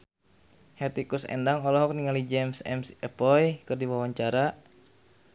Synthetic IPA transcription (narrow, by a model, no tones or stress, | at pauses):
hɛt̪ikusɛ̰ndaŋɔlɔɦɔk̚niŋalid͡ʒɛmsɛ̰msɛpɔjkɨrdiwawaɲt͡ʃaɾa